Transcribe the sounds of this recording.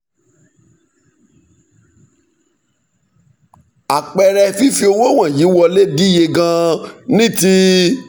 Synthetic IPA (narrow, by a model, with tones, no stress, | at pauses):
a˨k͡pɛ˨˧ɾɛ˧fi˦fi˧o˧wo˦w̃ã˦˨ji˨˦wɔ˧le˦di˦je˧ɡã˧nĩ˦ti˦